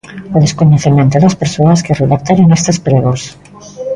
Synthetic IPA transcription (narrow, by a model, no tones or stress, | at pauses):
oðeskoɲeθimjent̪eðaspeɾsoaskereðak̚t̪aɾoŋest̪espɾeɣos